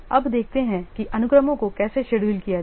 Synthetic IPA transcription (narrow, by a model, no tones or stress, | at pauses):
ɐbd̪eːk̚ʰt̪eɦɛ̃kiʔɐnʊkɾəmõkokɛːseʃeɽuːlkija